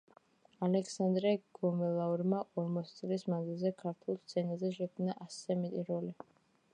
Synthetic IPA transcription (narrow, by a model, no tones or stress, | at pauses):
alɛksand̪ɾɛɡ̥ɔmɛlˠauɾmaʔɔɾmɔt̪sʰit̪sʼlismanzilˠzɛkʰaɾt̪ʰulˠst̪sʰɛnazɛʃɛkʰmnaʔasɛmɛt̪ʼiɾɔli